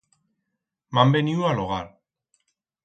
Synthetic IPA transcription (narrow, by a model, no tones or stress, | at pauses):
mambeniualoɣaɾ